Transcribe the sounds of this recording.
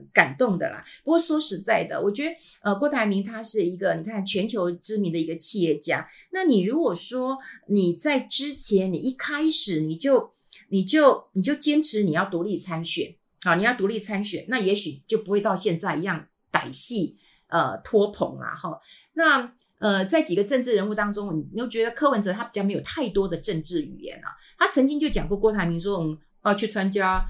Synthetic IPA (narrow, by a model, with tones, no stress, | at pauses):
ka˨˩nt̪ʊ˥˩ŋd̪ə̰˩lɐ̰˩pu˧˥kwɔ˥˩swɔ˥ʂɻ̩˧˥t͡sa˥˩ɪd̪ə̰˩wɔ˨˩t͡ɕɥɛ˧˥d̪ə˦ə˧kwɔ˥˩t̪ʰa˧˥ɪmi˧˥ŋt̪ʰa˥ʂɻ̩˥˩i˧˥ɡə˧ni˨˩kʰa˥˧˥t͡ɕʰɥɛ˧˥nt͡ɕʰjo˧˥ʊʈ͡ʂɻ̩˥mi˧˥ŋd̪ə˨˩i˧˥ɡə˧t͡ɕʰi˥˧jɛ˥˩t͡ɕja˥ | na˥˩ni˨˩ɻu˧˥kwɔ˨˩ʂwɔ˥ni˨˩t͡sa˥˩ɪʈ͡ʂɻ̩˥t͡ɕʰjɛ˧˥nni˨˩i˥˩kʰa˥ɪʂɻ̩˨˩ni˨˩t͡ɕjo˥˩ʊ | ni˨˩t͡ɕjo˥˩ʊni˨˩t͡ɕjo˥˩ʊt͡ɕjɛ˥nʈ͡ʂʰɻ̩˧˥ni˨˩jɑ˥˩ʊt̪u˧˥li˥˩t͡sʰa˥nɕɥɛ̰˨˩˦n | hɑ˥˩ni˨˩jɑ˥˩t̪u˧˥li˥˩t͡sʰa˥nɕɥɛ̰˨˩˦nna˥˩jɛ˧˥ɕy˨˩˨t͡ɕjo˥ʊpu˧˥xwe˥˧ɪt̪ɑ˥˧ʊɕjɛ˥˧nt͡sa˥˩ɪi˧˥jɑ˥˩ŋ | t̪a̰˨˩ɪɕi˥˩ | ʔə̰˩t̪ʰwɔ˥pʰʊ̰˧˥ŋlɐ̰˧xɑ˥˩ | na˥˧ | ə˧t͡sa˥˩ɪt͡ɕi˨˩ɡə˩ʈ͡ʂə˥˧ŋʈ͡ʂɻ̩˥˩ɻə˧˥nu˥˩t̪ɑ˥ŋʈ͡ʂʊ˥ŋni˨˩n˨˩jo˥˩ʊt͡ɕɥɛ˧˥d̪ə˧kʰɤ˥wə˧˦nʈ͡ʂɤ˧˥t̪ʰa˥pjme˧˥ɪjʊt̪ʰa˥˩ɪt̪wɔ˥d̪ə˨ʈ͡ʂə˥˧ŋʈ͡ʂɻ̩˥˩y̰˨˩jɛ̰˧˥˦nɐ̰˨ | t̪ʰa˥t͡sʰə˧˥ŋt͡ɕi˥ŋt͡ɕjo˥˩ʊt͡ɕjɑ˨˩ŋkwɔ˥˧kwɔ˥˩t̪ʰa˧˥ɪmi˧˥ʂwʊ˥ŋ̩˨˩ | ɑ˥˧t͡ɕʰy˥˩t͡sʰwa˥nt͡ɕja˥